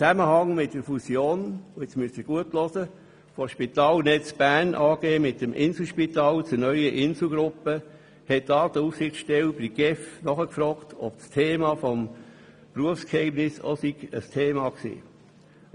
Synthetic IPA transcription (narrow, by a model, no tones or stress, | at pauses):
t͡sæməhɑŋmɪtd̥əɾfusjoːnoɛt͡smyəsiɡ̥uətlɔsə | foʃpit̪ɑːlnɛt͡sb̥ænʔɑːɡ̥eːmɪt̚dəmʔɪnsl̩ʃpitɑːlt͡sunœʏəʔɪnsl̩ɡɾʊpə | hɛt̚d̥ɑːd̥əufsɪxt͡sʃtɛlbiɡ̥ɛfnɔχəkfɾɔːktʰɔb̥̚stʰeːmɑfɔm | pruəfskhɛɪmnɪso̰siɡ̥əstʰeːmɑːksḭː